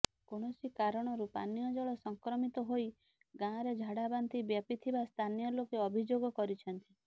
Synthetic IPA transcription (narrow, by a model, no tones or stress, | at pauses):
koɽ̃ɔsikaɾɔɽ̃ɔɾupa̰nijɔd͡ʒɔɭɔsɔŋkɾɔmit̪ɔɦoi | ɡãɾed͡ʒʱaɽabant̪ibjapit̪ʰibast̪ʰanijɔlokeɔbʱid͡ʒoɡɔkɔɾit͡ʃʰɔnt̪i